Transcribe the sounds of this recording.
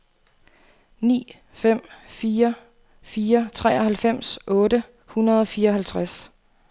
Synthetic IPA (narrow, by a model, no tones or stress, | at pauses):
nḭː | fem̰fiːɐ | fiːɐt͡sʰʁɛ̰ːɒ̽hælfem̰sʔɔ̽ːɾə | hunɐðˠɒ̽fiːɐɒ̽ɦælt͡sʰʁas